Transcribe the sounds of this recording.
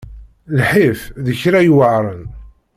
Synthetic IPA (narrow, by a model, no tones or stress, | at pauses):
lħifðəçɾæjwəʕɾˤən